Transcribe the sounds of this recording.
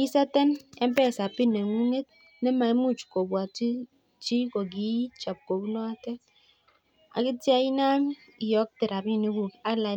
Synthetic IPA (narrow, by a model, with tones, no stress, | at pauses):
i˦sa˦te˦ne˦m̩˦pe˦˨sa˨pi˦ne˨ŋu˦ŋe˦t̚ | ne˦ma˨e˦mu˦˨t͡ʃu̥˨ko˨bwa˨ti˦ | t͡ʃi˦ko˨ɡi˦t͡ʃa˨p̚ko˨bu˦nɔ˦a˦te˦ | a̰˨ki˦tja˦i˦na˦m | i˨jɔ˨˦k̚te˨ɾa˨bi˦˨ne˦ɡu˨a˦la˨